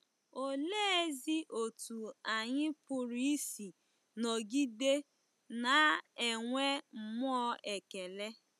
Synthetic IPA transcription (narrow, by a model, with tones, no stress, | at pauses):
o˨leː˦e˦zi˦ʔo˨tu˨a˨ɲɪ˦pʊ˨ɾi˦si˨ | nɔ˨ɡi˦de˦ | na˨˦e˨ŋʷe˦m̩˨m˦ɔ˦ʔe˨ke˨le˦